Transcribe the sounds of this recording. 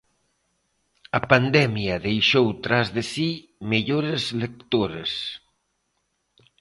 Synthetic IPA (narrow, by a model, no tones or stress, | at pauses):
ɐpand̪ɛmjɐðejʃowt̪ɾazðesi | meʎoɾezlek̚t̪oɾes